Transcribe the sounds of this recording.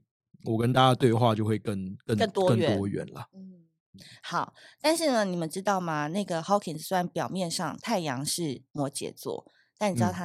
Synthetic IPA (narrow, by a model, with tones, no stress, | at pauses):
wɔ˨˩kə˦nt̪a˥˧t͡ɕa˥˧t̪we˥˧ɪxwa˥˧t͡ɕjo˥˧ʊxwe˥˩ɪkə˥˩nkə˥˧nə˥˩nt̪wɔ˥kə˥˩ɥɛ˧t̪ɔ˥ɥɛ̰˧˥nlə̰˨n̩˥˩ | xɑ˨˩˦ʊt̪a˥˧nʂɻ̩˥˩nə˩ni˨˩mə˨˦nʈ͡ʂɻ̩˥t̪ɑ˥˩ʊmɐ˨˩na˥˩ɪɡə˩xɑ˧˥ʊkʰi˨˩n˩sa˧˥npjɑ˨˩ʊmjɛ˥˧nʂɑ˥˧ŋt̪ʰa˥˩ɪjɑ˧˥ŋʂɻ̩˥˩mwɔ˧˥t͡ɕjɛ̰˨˩t͡swɔ̰˥˩ | t̪a˥˩ni˨˩ɻ̩˥˧˩t̪ʰa˥